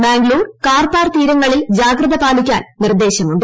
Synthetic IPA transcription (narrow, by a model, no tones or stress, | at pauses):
baːŋɡluːrkaːrpaːrt̪iːɾɐŋːɐɭild͡ʑaːɡrɐðɐpaːlikʲːa̰ːnnird̪ːe̞ːɕɐmuɳɖɨ